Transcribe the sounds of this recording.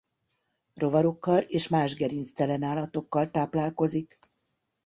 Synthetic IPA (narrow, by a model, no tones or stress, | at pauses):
ro̞vɒɾo̞kːɒleːʃmaːʒɡɛɾinst̪ɛlɛnaːlɒt̪o̞kːɒlt̪aːplaːlko̞zik